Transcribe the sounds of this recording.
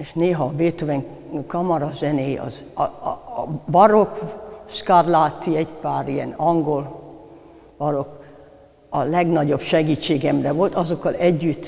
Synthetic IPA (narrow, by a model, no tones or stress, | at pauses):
eːʃneːɦɒːbeːt̪oʋɛŋ | kɒmɒɾɒzɛneːɒ̰z | bɒɾokskarlaːt̪ːiɛɟpaːɾiɛnɒŋɡol | b̥ɒɾo̞k | ɒlɛɡnɒɟo̞bʃɛɡiːt͡ʃːeːɡɛmrɛʋo̞lt̪ɒzo̞kːɒlɛɟːyt̪ː